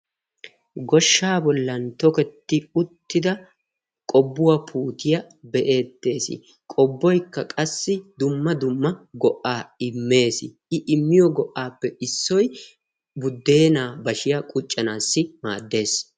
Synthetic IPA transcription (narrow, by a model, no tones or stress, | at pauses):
ɡɔʃːaːbɔlːɐnt̪ɔkɛt̪ːɪʊt̪ːɪd̪ɐ | kʼɔbːʊwapʰuːt̪ɪjɐ | bɛʔe̞ːt̪ːe̞ːsɪ̰ | kʼɔbːɔjkːɐkʼɐsːɪd̪ʊmːɐd̪ʊmːɐɡɔʔaːɪmːe̞ːsɪ̰ʔɪʔɪmːɪjɔɡɔʔːaːpːɛʔɪsːɔj | bʊd̪ːe̞ːnaːbɐʃɪjakʼʊt͡ʃʼːɐnaːsːɪmaːd̪ːe̞ːs